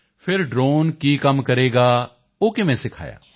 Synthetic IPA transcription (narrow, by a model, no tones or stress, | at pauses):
pʰɪɾɖɾoːnkiːkəmkəɾeːɡaː | oːkɪmɛ̃ːsɪkʰa̰ːja̰ː